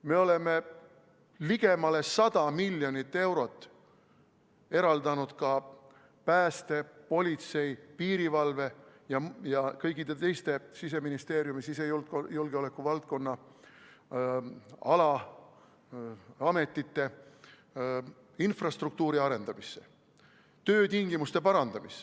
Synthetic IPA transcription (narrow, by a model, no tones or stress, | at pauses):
me̞o̞le̞me̞ | liɡe̞mɑle̞sɑd̪̥ɑmilʲːjo̞nit̪ːe̞wɾo̞t̪ːˑ | e̞ɾɑld̪ɑnud̪̥kɑ | pæːst̪e̞po̞lʲit̪se̞jpiːɾivɑlve̞jɑjɑkɤjɡid̪̥et̪e̞jst̪e̞sis̬e̞minist̪e̞ːɾjumisisejuljulɡ̥eo̞le̞kːˑuvɑlt̪̚ko̞nːɑ | ɑ̰lɑ | ɑme̞t̪ːˑit̪ːe̞ | infrɑst̪ruk̚t̪uːɾiɑɾe̞nd̪ɑmisːe̞̰ | t̪ø̞ːt̪iŋɡ̥imust̪e̞pɑɾɑnd̪ɑmis